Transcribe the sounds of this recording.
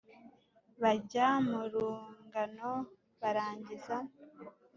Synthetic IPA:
βaɟamuɾuːŋɡano̞ | βaɾaːɲɟiza

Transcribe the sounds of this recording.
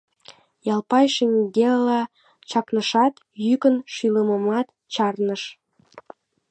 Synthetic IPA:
jɑlˠpɑjʃemʲiɡelɑ | t͡ɕɑknəʃɑt̪ | jykənʃyləməmɑt̪ | t͡ɕɑrnəʃ

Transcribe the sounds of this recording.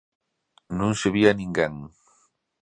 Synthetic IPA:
nũŋseβianĩŋɡeŋ

